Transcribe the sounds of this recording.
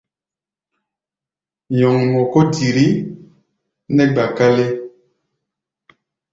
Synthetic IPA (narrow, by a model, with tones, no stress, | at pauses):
ɲɔ˨ŋn˨ɔ˨ko˦di˨ɾi˦ | nɛ˦ɡ͡ba˨ka˦le˦